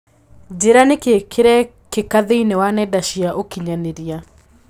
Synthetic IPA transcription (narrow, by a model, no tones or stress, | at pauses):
d͡ʒeɾanekekʰeɾɛ | kekaðeinewanɛdaʃiaʔokiɲaneɾia